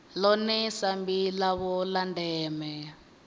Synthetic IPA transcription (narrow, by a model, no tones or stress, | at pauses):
lɔnɛsambilaβɔlandɛːmɛ